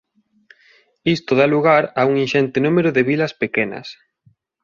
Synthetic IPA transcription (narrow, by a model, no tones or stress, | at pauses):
ist̪oðaluɣaɾauŋinʃɛnt̪enumeɾʊðeβilɐspekɛnɐ̰s